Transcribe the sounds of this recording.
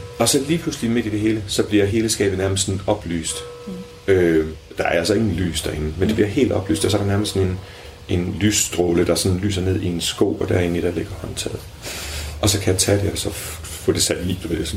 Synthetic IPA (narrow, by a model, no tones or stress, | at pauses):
ɒ̽sɒ̽liːpʰluslime̝d̥id̥e̝ɦe̝ːləsɒ̽b̥liɐɦe̝ːləsɡ̥ɛ̰ːb̥ð̩ˠnæɐməssɒ̽nɒ̽b̥ly̰ːsd̥ | ø | d̥ɑ̈æɐælsɒ̽e̝ŋn̩ly̰ːsd̥ɑe̝ŋn̩mend̥e̝b̥liɐɦe̝̰ːld̥ɒ̽b̥ly̰ːsd̥ɒsɒɐɾ̥ɑnæɐməsɒne̝n | ʔe̝nlysd̥ʁoːləd̥ɑ̈æɐsɒ̽nn̩ly̰ːsɐne̝ð̞̰ˠie̝nsɡ̥o̰ʊ̰ɒ̽d̥æɐe̝nid̥ɑle̝ɡ̥ɐhɒ̽nt͡sʰɛ̰ːð̩ˠ | ɒ̽sɒ̽kʰæjæt͡sʰæd̥e̝æɒsɒ̽ | fɔ̰̽ːd̥e̝sæd̥lḭ̥ːʋæd̥esɒn